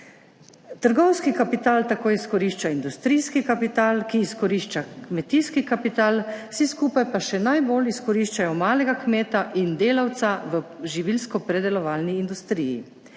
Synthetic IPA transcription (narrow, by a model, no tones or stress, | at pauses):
t̪əɾɡɔwskikapit̪aːlt̪akoːjiskɔɾiːʃt͡ʃaind̪ust̪ɾiskikapit̪aːlkiːskɔɾiʃt͡ʃakmɛt̪iskikapit̪aːlwsiskuːpajpaʃɛnajboːliskɔɾiːʃt͡ʃajɔmaːlɛɡakmeːt̪aʔind̪eːlawt̪saʋəʒiʋilskɔpɾɛd̪ɛlɔʋaːlniːnd̪ust̪ɾijḭ